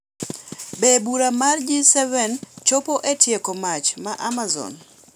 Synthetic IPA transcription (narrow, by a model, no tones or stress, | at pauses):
bebuɾamard͡ʒisɛvɛnt͡ʃopoʔetjekomat͡ʃmaʔamazɔ̰n